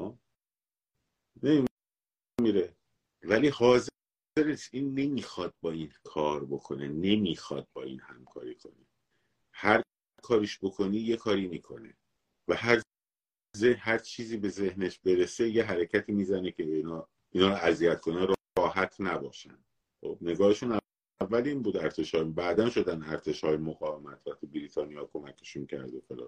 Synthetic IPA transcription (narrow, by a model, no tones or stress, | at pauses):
nemim | miɾe | væliːhɒːze | eɾeʃiːnːe̞miːxɒːd̪̥̚bɒːiːnkʰɒːɾbo̞kʰo̞nene̞miːxɒ̰ːd̪̚bɒːḭːnhæ̰mkʰɒ̰ːɾikʰo̞̰ni | hæɾ | kʰɒːɾiʃbo̞kʰo̞niːje̞kʰɒːɾiːmiːkʰo̞̰nḛ | væhæɾ | zehæɾt͡ʃʰiːziːbe̞ze̞hneʃbe̞ɾe̞se̞jeɦæɾecʰæt̪ʰiːmiːzænecʰeinː | inɒːɾoæziæt̪kʰo̞neɾɾɒːɦæt̪ʰnæbɒːʃæ̰nd̪̥ | xob̥ne̞ɡɒːhe̞ʃunæ | vːæliːnbuːd̪æɾt̪ʰeʃhɒːjbæːd̪ænʃo̞d̪ænd̪æɾt̪ʰe̞ʃhɒːjemoɣɒːve̞mæt̪ʰvæxt̪ʰibiɾiːt̪ʰɒːnijɒːkʰo̞mæcʰe̥ʃuncʰæ̰ɾd̪exolɒ̰ː